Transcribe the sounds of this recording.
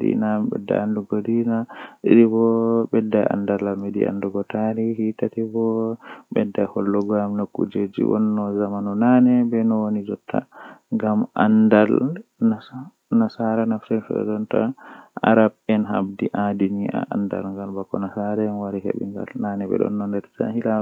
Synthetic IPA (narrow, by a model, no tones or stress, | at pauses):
dḭnambɛ̰dːa̰anduɡodinaɗiɾibɔbɛdːaja̰ndalamedḭʔa̰nduɡɔtaɾihitatibɔɓɛdːajhɔlːɔɡɔjamnokːṵd͡ʒed͡ʒḭwɔ̰nːɔzamanunanɛbɛnɔwonid͡ʒɔtʰːa̰ŋɡamʔa̰ndal | na | nasaɾanafsɛnfɛ̰d͡ʒɔnta̰a̰ɾab̚ɛnɦa̰bdiʔadiniʔa̰ʔanda̰lŋɡalbakːɔnasaɾɛnwaɾihḛɓḭŋɡa̰lnanɛbɛ̰ɗɔ̰nːɔndɛɾta̰hila